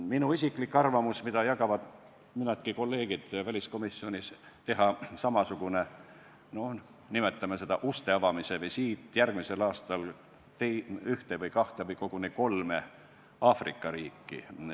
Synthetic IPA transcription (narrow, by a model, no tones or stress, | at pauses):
minuisʲiklikːˑɑrvɑmusmid̪ɑjɑkɑvɑd̪̥ | minɑt̪̚kiko̞lːe̞ːɡ̥id̪̥vælʲisko̞misːio̞nʲis | t̪e̞ɦɑsɑmɑsuɡ̥une | no̞h | nimet̪ːˑɑmese̞d̪ɑ̰ʔust̪e̞ɑvɑmisevejsiːt̪ːˑjærɡ̥mise̞lɑːst̪ɑl | t̪eyht̪evɤjkɑht̪evɤjko̞ɡ̥uneko̞lme | ɑːfrḭkːˑɑɾiːkːḭ